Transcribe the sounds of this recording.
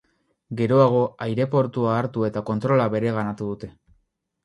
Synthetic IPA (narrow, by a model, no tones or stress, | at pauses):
ɡe̞ɾo̞aɣ̞o̞ajɾe̞po̞ɾt̪uaːɾt̪ue̞t̪ako̞nt̪ɾo̞laβe̞ɾe̞ɣanat̪uðut̪e̞